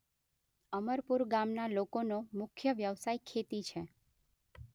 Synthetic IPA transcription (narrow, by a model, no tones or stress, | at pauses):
əməɾpuɾɡamnalokonomʊkʰjəʋjəʋsaikʰːet̪it͡ʃʰe